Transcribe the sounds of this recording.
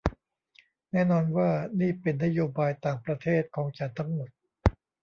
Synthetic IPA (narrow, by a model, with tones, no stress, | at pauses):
nɛː˥˩nɔː˧nwaː˥˩niː˥˩pe˧nːa˥joː˧baː˧jt̪aː˨˩ŋpɾa˧t̪ʰeː˥˩t̪̚kʰɔː˩˦ŋt͡ɕa˧nt̪ʰa˦˥ŋmo˨˩t̪̚